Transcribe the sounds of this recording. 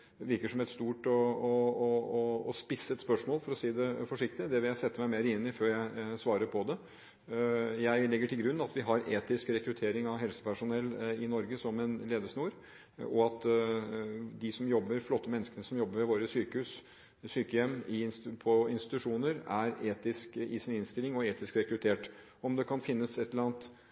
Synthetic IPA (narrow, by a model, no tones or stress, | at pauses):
ʋɪɾkəʂɔmɛt̪st̪uːʈɔɔɔːspɪsət̪spœʂmoːlfɔɾɔsiːd̪ɛfɔʂɪk̚t̪ɪd̪ɛʋɪljæɪsɛt̪ːəmæɪmeːɾəɪnːɪføːɾjæɪsʋɑːɾəɾpʰɔd̪ɛ | jæɪlɪɡːəʈʰɪlɡɾʉnːɑt̪ʋɪɦɑɾeːt̪ɪskɾɛkɾʉt̪ʰeːɾɪŋɑʋɦɛlsə̥pʰæʂʊnɛlːɪnɔɾɡəsɔmɛnleːd̪əʂnuːɾ | ɔɑt̪ | d̪ɪsɔmjɔbːəɾflɔt̪ːəmɛnːəskənəsɔmjɔbːəɾʋɛʋoːɾəsyːkəhʉːs | syːkəjɛmːɪnpʰɔɪnst̪ɪ̥t̪ʉʂuːnəɾæɾeːt̪ɪskɪsɪnɪnst̪ɪlɪŋɔeːt̪ɪskɾɛkɾʉt̪ʰeːʈ | ɔmd̪ɛkʰɑnfɪnːəsɛt̪lːəɾɑnt̪